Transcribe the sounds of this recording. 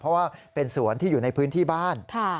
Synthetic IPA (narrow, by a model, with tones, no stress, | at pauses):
pʰɔ˦˥waː˥˩pe˧nsu˩˦ənt̪ʰiː˥˩uː˨˩na˧jpʰɯː˦˥nt̪ʰiː˥˩baː˥˩nkʰa˥˩